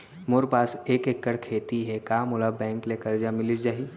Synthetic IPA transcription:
moːɾpaːseːkekːəɽkʰeːt̪iɦɛkaːmʊlabɛ̃ːŋklekɐɾd͡ʒamɪlid͡ʒaːɦi

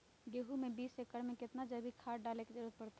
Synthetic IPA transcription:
ɡeːɦumẽbiːsekəɾmẽkɪt̪nad͡ʒəbʱikʰaːɾɖaːleked͡ʒəɾuət̪̚pəɾt̪a

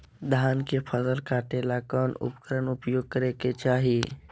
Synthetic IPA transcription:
d̪ʱaːnkepʰəsəlkaːʈelakɔːnʊ̰pkəɾənʊpjoːɡ̚kəɾeket͡ʃaːɦi

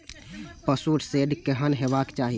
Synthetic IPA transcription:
pəsuɾseɖkeɦənɦebakt͡ʃaɦi

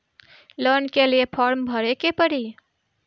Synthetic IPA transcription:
ləɾnkeliepʰɔɾmbʱəɾekepəɾi

